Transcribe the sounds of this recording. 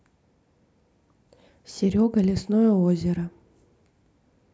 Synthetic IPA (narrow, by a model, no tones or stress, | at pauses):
sʲɪɾʲoɡəlʲɪsnojəozʲɪɾə